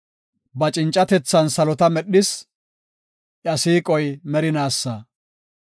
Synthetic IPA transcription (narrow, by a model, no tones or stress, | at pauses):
bɐt͡ʃʼɪnt͡ʃʼːɐt̪ɛt͡sːɐnsɐlɔt̪ɐmɛɗːɪs | ʔɪɐsiːkʼɔjmɛɾɪnaːsːaː